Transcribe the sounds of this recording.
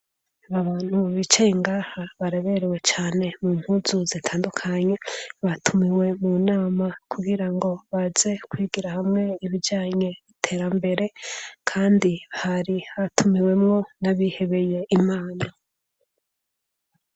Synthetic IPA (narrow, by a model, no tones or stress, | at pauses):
βaβaːn̥huβit͡ʃeiŋɡaːhaβaɾeβeɾewe̞t͡ʃaːne̞muːm̥huːzuz̥itʰaːndukʰaɲe̞βatʰumiwe̞munaːmakʰuɡiɾaŋɡo̞βaze̞kwiːɡiɾahamŋe̞iβiɾɟaːɲe̞βitʰe̞ːɾambe̞ɾe̞kʰaːndiβahaɾihatʰumiwe̞mŋo̞naβihe̞βe̞je̞ʔimaːna